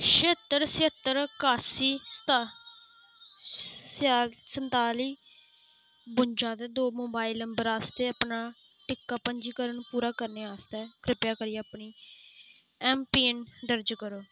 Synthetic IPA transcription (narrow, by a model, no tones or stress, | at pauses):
ʃeːt̪ːəɾseət̪ːəɾkaːsiːst̪ː | sənt̪aːliː | bʊnd͡ʒãːd̪eːd̪oːmoːbaːɪləmbəɾaːst̪eːəpnaː | ʈɪkːaːpəɲd͡ʒiːkəɾəɳpuːɾaːkəɾneːaːst̪ɛːkɾɪpjaːkəɾijɛapniː | ɛːmpiːənd̪əɾd͡ʒkəɾoː